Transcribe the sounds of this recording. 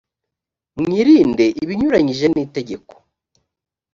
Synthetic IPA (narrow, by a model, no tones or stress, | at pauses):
mŋiːɾiːnde̞ʔiβiɲuɾaɲiʒe̞niːte̞ɟe̞ko̥